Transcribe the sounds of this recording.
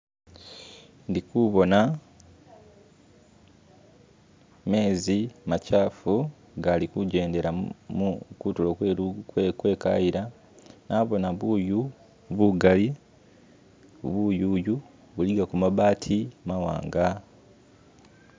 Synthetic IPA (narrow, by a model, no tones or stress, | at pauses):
ndikuβo̞na | me̞ːzimacaːfu | ɡalikuɟe̞ːnde̞ɾamukutulowekkwe̞ːka̰jiɾa | naːβo̞naβuju | βuɡali | βuːjuːju | βuliɡakumaβaːtʰimawa̰ːŋɡa